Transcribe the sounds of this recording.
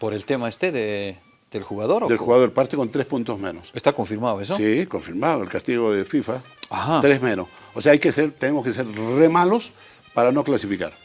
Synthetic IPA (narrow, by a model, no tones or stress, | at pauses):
poɾelt̪emaest̪eðe | d̪̥elxuɣaðo̞ɾd̪elxxuɣaðoɾpaɾt̪eko̞nt̪ɾe̞spunt̪o̞zmẽ̞nosest̪akoɱfiɾmaðoesosiko̞ɱfiɾmaðoelkast̪iɣo̞ðefifa | aat̪ɾezmẽ̞nos | oseaajkeseɾt̪e̞nemoskese̞ɾre̞malos | paɾano̞klasifika̰ɾ